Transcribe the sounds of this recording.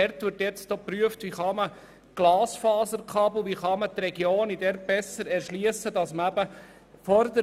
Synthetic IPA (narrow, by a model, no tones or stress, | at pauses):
ɛɾt̪ʋɪɾtjɛt͡stopɾyəft̪ʋiχɑmə | ɡ̥lɑːsfɑːzəɾkχɑbl̩ˠʋiχɑmət̪rɛɡjoːnidɛɾb̥ɛsːəɾɛɾʃliəsːədɑsməæbə | fɔɾd̪ə